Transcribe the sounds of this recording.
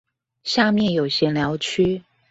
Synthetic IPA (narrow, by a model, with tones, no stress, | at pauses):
ɕja˥˧mjɛ˥˨˩njo˨˩ʊɕjɛ˧˥nljɑ˧˥ʊt͡ɕʰy˥